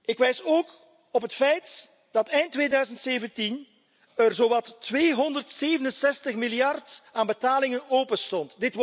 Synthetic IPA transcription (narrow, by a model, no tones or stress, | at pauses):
ɪkʋɛjsoːk | ɔpɦətfɛjt | d̥ɑtɛjntːʋeːdœːɥzəntseːvəntin | ərzoːwɑtʋeːɦɔndərtseːvənənsɛstəxmɪlijɑrtaːnbətaːlɪŋənoːpənstɔntdɪt